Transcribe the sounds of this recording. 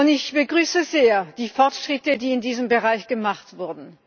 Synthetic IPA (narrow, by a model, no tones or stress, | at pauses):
ʊntɪçb̥əɡʁyːsəzeːɐd̥iːfɔɐtʃʁ̥ɪtədiːɪndiːzəmbəʁaɪçɡ̥əmaχtv̥ʊɐdn̩